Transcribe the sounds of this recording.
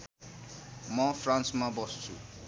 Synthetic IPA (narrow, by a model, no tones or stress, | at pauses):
mʌpʰransmabʌsu̥t͡sʰu